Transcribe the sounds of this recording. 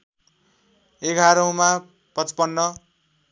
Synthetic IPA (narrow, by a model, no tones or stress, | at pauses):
eɡʱaɾʌũma | pʌt͡spʌnːʌ